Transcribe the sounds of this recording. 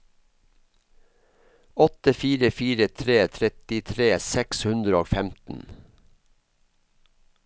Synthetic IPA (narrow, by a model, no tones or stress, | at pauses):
ɔt̪əfiːɾəfiːɾət̪ʰɾeːt̪ʰɾɛt̪ɪt̪ʰɾeːsɛkshʉnd̪ɾəoːfɛmt̪n̩